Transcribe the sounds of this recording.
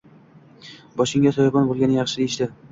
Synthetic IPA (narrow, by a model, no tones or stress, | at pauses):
bɒʃɪŋʲat̪ʰɒjɒbɒnbolˠɡʲanɪjɑχʃɪd̪e̞jɪʃd̪ɪ